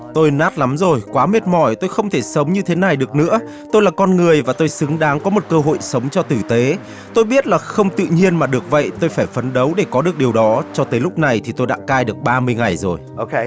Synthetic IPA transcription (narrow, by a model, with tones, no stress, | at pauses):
t̪o˧jnaː˦˥t̚la˨˦mzo˨˩jkwaː˨˦me˦˥t̚mɔ˧˩jt̪o˧jxə˧wŋ͡mt̪ʰe˧˩sə˨˦wŋ͡mɲɨ˧t̪ʰe˨˦na˨˩jɗɨ˨˩ək̚nɨ̰˧˥ə | t̪o˧jlaː˨˩kɔ˧nŋɨ˨˩əjvaː˨˩t̪o˧jsɨ˨˦ŋɗaː˨˦ŋkɔ˨˦mo˨˩t̚kəː˧ɦo̰˧˨jsə˨˦wŋ͡mt͡ɕɔ˧t̪ɨ˧˩t̪e˨˦ | t̪o˧jɓi˦˥ət̚laː˨˩xə˧wŋ͡mt̪ɨ̰˧˨ɲi˧ənmaː˨˩ɗɨ˨˩ək̚və̰˧˨jt̪o˧jfaː˧˩jfə˨˦nɗə˨˦wɗe˧˩kɔ˨˦ɗɨ˨˩ək̚ɗi˨˩əwɗɔ˨˦t͡ɕɔ˧t̪əː˨˦jlʊ˦˥k͡p̚na˨˩jt̪ʰi˨˩t̪o˧jɗa̰ː˧˥kaː˧jɗɨ˨˩ək̚ɓaː˧mɨ˧əjŋa˨˩jzo˨˩jo˧k